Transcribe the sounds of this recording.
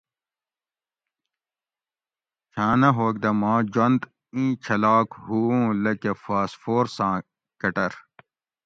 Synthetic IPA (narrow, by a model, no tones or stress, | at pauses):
t͡ɕʰãːnɐɦoːk̚d̪ɐmãːd͡ʑɐnd̪ | ĩːt͡ɕʰɐlaːkhuũːlɐkefaːsfoːɾsãː | kɐʈɐɾ